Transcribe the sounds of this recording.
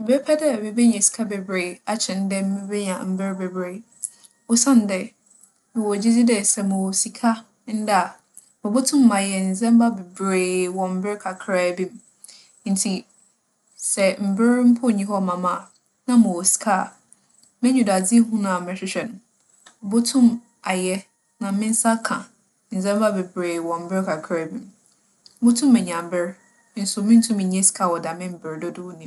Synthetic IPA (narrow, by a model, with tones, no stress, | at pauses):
m̩˨be˦pʰɛ˦dɛ˦˨be˨be˦ɲã˨si̥˨kʰa˦be˨bɾe˨a˨t͡ɕʰɪ̃˨n̩˦dɛ˦m̩˦mɪ˦be˦ɲã̰˨m̩˨bɪ˦ɾbe˨bɾe˨ | o˦sã˦n˦dɛ˨ | nʊ̃˨wo˨d͡ʑi˦d͡zɪ˦dɛ˨sɛ˨mʊ̃˨si˨kʰa˦ | n̩˦da˦˨ | mʊ̃˨bʊ˦tʰʊ̃˦m̩ː˦ã˨jɛ˨n̩˨zɛ̃˦m̩˦ba˦be˨bɾeː˦˨wɔ̃˨m̩˦bɪ˦ɪ˦kʰa˨kʰɾa˦˨bĩ˦m˦ | n̩˨tʰi˨ | sɛ˨m̩˨bɪ˦ɾm̩˦pʰʊ˦˨ɲĩ˦ɦɔ˦˨mã˨mã˦˨ | nã˦mʊ̃˨wɔ˨skʰa˦˨ | mɪ̃˦ɲũ˨da˨d͡zi˦ɦũ˦nã˨a˨mɪ̃˨ɕɪ˦ɕᶣɛ˨nʊ̃˨˦ | bʊ˦tʰʊ̃˦m | a˨jɛ˦ | nã˨mɪ̃˦n̩˦sa˦kʰã˨ | n̩˨zɛ̃˦m˦ba˦be˨bɾeː˨wɔ̃˨m̩˨˦bɪ˦ɾkʰa˨kʰɾɛ˦bĩ˦m˦ | bʊ˦tʰũ˦mɛ̃˨ɲã˨m̩˨bɪ˦ɾ | n̩˦sʊ˨˦mɪ̃˦n̩˦tʰũ˦mĩ˨ɲɛ̃˦si̥˨kʰa˦˨wɔ˨da˨mɪ̃˦m̩˨bɪ˨ɾdʊ˦dʊ˦wnĩ˨